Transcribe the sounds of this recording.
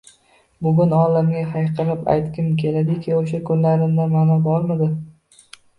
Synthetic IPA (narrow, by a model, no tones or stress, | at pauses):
bʊɡʲʊnɒlamɡʲaɦajqʰɨɾɪpa̰jt̪kʲɪmkʲʰe̞lad̪ɪkʲʰɪoʃakʰʊnlaɾɪnd̪amanɒbɒɾmad̪ɪ